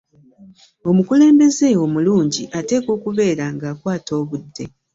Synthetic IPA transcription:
o̞mukule̞ːmbe̞ze̞o̞muluːɲɟiʔate̞ːko̞ːkuβe̞ːɾaŋɡaːkwaːto̞ːβudːe̞

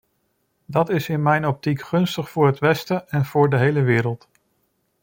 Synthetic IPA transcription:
dɑtɪsɪnmɛjnɔp̚tikχɵnstəχfʊːɹɦətʋɛstəʔɛnv̥ʊːɹdəɦejləʋɪːɾəlˠt

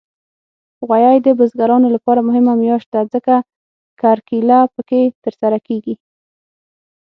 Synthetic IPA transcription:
ɣwajɑjd̪əbəzɡaɾɑnolapɑɾamʊɦɪmamjɑʃd̪azəka | kɑɾkilɑpəket̪əɾsaɾakeɡi

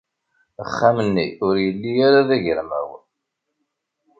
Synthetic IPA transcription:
əχːamənːiʊɾjəlːijaɾaðæʝəɾmæ̰w

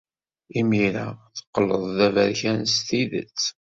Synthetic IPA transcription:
imiɾaθə̥qːəlːəðˤðævəɾçænst̪iðə̰t͡sː

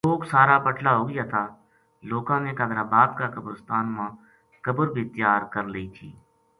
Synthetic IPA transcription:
loːksaːɾaːpəʈʰlaːɦoːɡɪjaːt̪ʰaː | loːkãːnẽːkəd̪ɾaːbaːb̪kakəbɾɪst̪aːnmãː | kəbəɾbʱiːt̪jaːɾkəɾləiːt̪ʰḭː

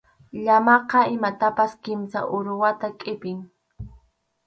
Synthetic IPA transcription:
ʎamɑqɑɪmat̪apaskɪmsa̰ʔʊɾʊwat̪akʼɪpɪŋ

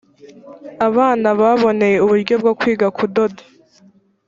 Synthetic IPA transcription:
aβaːnaβaβo̞ne̞je̞uβuɾɟo̞bɡokwiːɡakudo̞dḁ

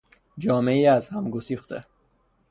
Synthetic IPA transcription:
d͡ʒɒːme̞iːæzhæmɡosiːxt̪ʰe

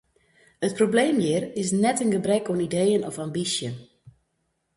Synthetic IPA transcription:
ət̚probleːmjɪːrɪsnɛtənɡəbrɛkɔnideːənɔfambisjən

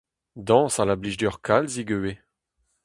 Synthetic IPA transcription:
d̪ɑ̃ːsalabliʒdœʁkʰalziɡøwe

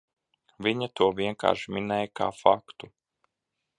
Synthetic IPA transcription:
vʲiɲat̪uɔviɛŋka̰ːɾʃminɛːjka̰ːfakt̪u

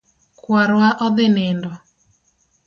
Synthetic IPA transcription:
kwaɾwaʔɔðɪnɪndɔ

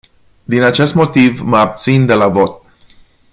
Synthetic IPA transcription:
d̪inat͡ʃe̞st̪mo̞t̪ivməab̚t̪sind̪e̞lavo̞t̪̚

